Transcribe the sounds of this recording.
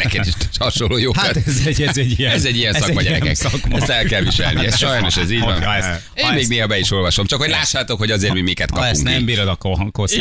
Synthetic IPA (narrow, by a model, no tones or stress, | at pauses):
bɛkɛd̪iʃt̪ɛ̥ʃɒʃolːoːjoːkt̪zɛɛɟiɛɛzɛɟːijɛnssɒmɒɟɛɾɛ̰kɛ̰kskmɛst̪ɛlkɛlʋiʃɛ̰lniɛsʃɒjno̞ʃɛziːɟvɔn | eːmmeːɡneːɦɒbɛiʃo̞lvɒʃo̞mt͡ʃɒkhoɟʲlaːʃːaːt̪o̞kho̞ɟɒzeːrɾmimikɛt̪kɒpɛuŋk̪nɛmbiːɾod̪ɒkoɦɒŋkos